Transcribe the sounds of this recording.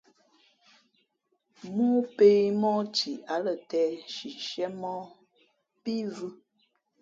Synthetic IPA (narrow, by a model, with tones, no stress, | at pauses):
mu˦pe˦mɔ˦t͡ʃi˨a˨˦lə˨tɛ˦ʃi˨ʃɛ˦mɔ˦ | pi˦vu˦